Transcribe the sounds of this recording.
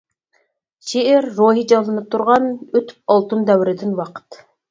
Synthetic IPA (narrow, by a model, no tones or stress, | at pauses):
ʃeʔeɾːoɦid͡ʒɑlˠɯnɯp̚t̪ʰuɾʁɑnøt̪y̥p̚ɑlˠt̪ənd̪æwɪɾɪd̪ɪnwɑqə̥t̪